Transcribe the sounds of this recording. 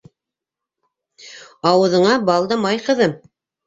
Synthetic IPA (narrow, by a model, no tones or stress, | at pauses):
ɑwɤ̆ðɤ̆ɴɑbɑlˠd̪ɤmɑjqɤ̆ðɤm